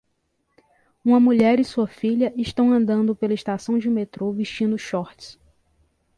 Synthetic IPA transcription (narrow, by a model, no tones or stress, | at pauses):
ũmɐmuʎɛɾɪsuɐfiʎɐʔɪʃt̪ɐ̃w̃ɐ̃nd̪ɐ̃nd̪ʊpelɐiʃt̪asɐ̃w̃d͡ʒɪmet̪ɾoviʃt͡ʃĩnd̪ʊʃɔht͡ʃɪ̥s